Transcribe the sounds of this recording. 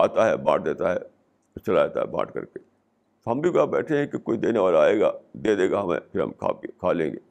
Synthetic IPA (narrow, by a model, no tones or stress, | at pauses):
aːt̪aɦɛbã̰ːʈ̚ʰd̪eːt̪aɦɛ | t͡ʃɐlaːeːt̪a̰ɦɛbã̰ːʈkɐ̰ɾke | t̪oɦɐmbʱikoabɛːʈʰeɦɛ̃kekoːid̪eːneʋaːlaaːeːɡad̪eːd̪eːɡaɦɐmḛ̃pʰɪɾɦɐ̰mkʰa̰ːkʰaːlḛ̃ːŋɡeː